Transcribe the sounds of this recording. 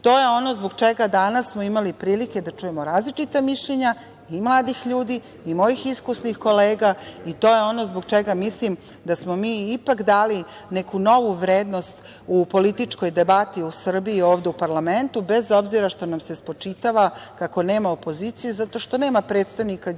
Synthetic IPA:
t̪o̞ːjeo̞no̞zboɡt͡ʃeɡad̪anasːmoimalipɾiːlike̞d̪at͡ʃuje̞moɾaːzlit͡ʃit̪amiʃʎeɲa | imlˠaːd̪ixʎuːd̪iː | mo̞jixiskusnixko̞leːɡait̪o̞ːje̞o̞no̞zbo̞ɡt͡ʃeɡamislim | d̪asmo̞miːipakd̪aːli | nekuno̞ʋuʋɾeːd̪no̞st̪ | upo̞lit̪it͡ʂko̞jd̪e̞bat̪iusr̩biːo̞ːʋd̪e̞upaɾlˠament̪ube̞zo̞bziɾaʃt̪o̞namse̞spo̞t͡ʂit̪aʋakako̞ne̞ːmao̞po̞zit̪sijezat̪o̞ʃt̪o̞ne̞ːmapɾet̪st̪aʋnika

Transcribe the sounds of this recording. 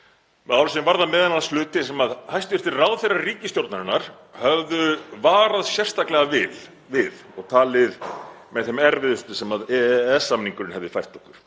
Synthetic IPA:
mɛðawɾsinɪmvaɾðamɛːðɛnanːast̪ʏːt̪ɪsɛmaðhajst̪ʏvɪɾ̥t̪ɪɾrawðθejrariːcɪst̪jowɾt̪naɾɪnːaɾ̥ | hɛvðʏvaːɾaðsjɛr̥st̪ʰaklɛɣavɪl | vɪð | ɔɣt̪ʰaːlɪð | mɛðθɛmɛɾvɪðʏst̪ʏsɛmaðɛɛsːamniŋkʏɾɪnhɛvðɪfajr̥t̪ɔhkʏɾ̥

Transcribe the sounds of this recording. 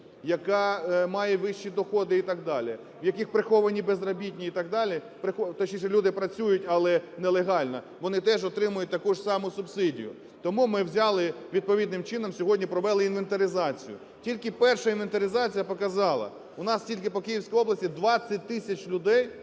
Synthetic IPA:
jɐkɑmɑjɛʋɪʃːid̪ɔxɔd̪ɪit̪ɑɡ̚d̪ɑlʲɪ | ʋjɐkɪxpɾɪxɔʋɐnʲibezrɔbʲitʲnʲiit̪ɑɡ̚d̪ɑlʲi | pɾɪxɔt̪ɔʃʲiʃɛlʲud̪ɪpɾɐt͡sʲujʊtʲɐlˠɛnɛlˠeɦɑlʲnɐ | ʋɔnɪt̪ɛʒɔt̪ɾɪmʊjʊt̚ʲt̪ɐkuʒsɑmʊsʊbsɪdʲḭjʊ̰ | t̪ɔmumɪwzʲɑlˠɪʋʲid̪̚pɔʋʲid̪nɪmt͡ʃɪnɔmsʲɔɦɔdʲnʲipɾɔʋɛlˠɪinʋent̪ɐɾʲɪzɑt͡sʲḭjʊ̰ | tʲilʲkɪpɛrʃɐinʋent̪ɐɾʲɪzɑt͡sʲijɐpɔkɐzɑlˠɐ̰ | ʊnɑstʲilʲkɪpɔkɪjiwsʲkɔjɔblˠɐsʲtʲid̪ʋɑt͡sʲːɐt̚ʲt̪ɪsʲɐt͡ʃlʲʊd̪ɛj

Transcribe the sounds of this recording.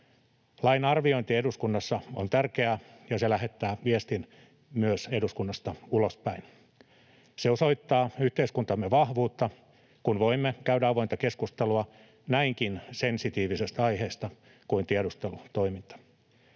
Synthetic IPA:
lɑinɑrʋioint̪ieduskunːɑsːɑont̪ærkeæjɑselæɦet̪ːæːʋiest̪in | myøseduskunːɑst̪ɑulospæin | seoso̞it̪ːɑːyht̪eiskunt̪ɑmːeʋɑhʋuːt̪ːɑ | kunʋoimːekæydæɑʋoint̪ɑkeskust̪eluɑ | næiŋkinsensit̪iːʋisest̪æɑiheːst̪ɑ | kuint̪ieɾust̪elut̪oimint̪ɑ̥

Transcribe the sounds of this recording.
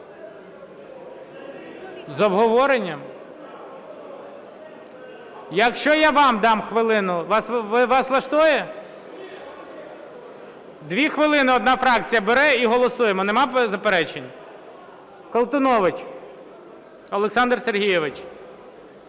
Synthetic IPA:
zɔbɦɔʋɔɾenʲːɐm | jɐkʃt͡ʃɔjaʋɑmd̪ɑmxʋɪlˠɪnʊʋɑsʋɪʋɑslˠɐʃt̪ɔjɛ | d̪ʋʲixʋɪlˠɪnɪɔd̪nɑfɾɑk̚t͡sʲijɐbeɾɛiɦɔlˠɔsujemɔnemɑpzɐpeɾɛt͡ʃenʲ | kɔlˠt̪ʊnɔʋɪt͡ʃʲ | ɔlˠeksɑnd̪rserɦijɛʋɪt͡ʃ

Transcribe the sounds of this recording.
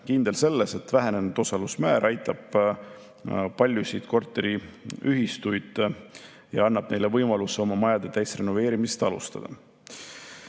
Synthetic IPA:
kind̪̥e̞lse̞lːese̞t̪væɦe̞ne̞nud̪̥o̞sɑlusmæːɾʔɑjt̪ːˑɑb̥ | pɑlʲjusid̪̥ko̞rt̪ːˑe̞ɾiyɦist̪ujd̪̥ | jɑ̰ɑnːɑb̥̚ne̞jle̞vɤjmɑluseo̞mɑmɑjɑd̪̥et̪æjsre̞no̞ve̞ːɾimiset̪ɑlṵst̪ɑ̰d̪̥ɑ̰

